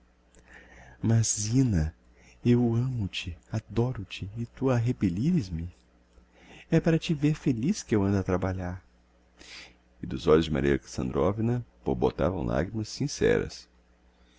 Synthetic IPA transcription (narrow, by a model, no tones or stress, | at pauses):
mɐzːĩnɐ | ewɐ̃mʊt͡ʃɪad̪ɔɾʊt͡ʃɪːt̪uaɦepeliɾɪzmɪ | ɛpaɾɐt͡ʃɪveɾfeliskɪewɐ̃nd̪at̪ɾabaʎaɾ | ɪd̪ʊzɔʎʊzd͡ʒɪma̰ɾiɐ̰kḁsɐ̰̃nd̪ɾovinɐb̥oɾbot̪a̰vɐ̃w̃la̰ɡɾimɐsĩsɛ̰ɾɐ̰s